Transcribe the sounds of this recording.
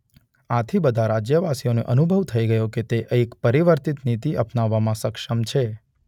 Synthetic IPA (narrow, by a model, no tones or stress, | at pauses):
at̪ʰibəd̪ʱaɾad͡ʒjəʋasionḛʔənubʱəʋt̪ʰəiɡəjoket̪eʔəikpəɾiʋəɾt̪it̪nit̪iʔəpnaʋːamãsəkʃəmt͡ʃʰe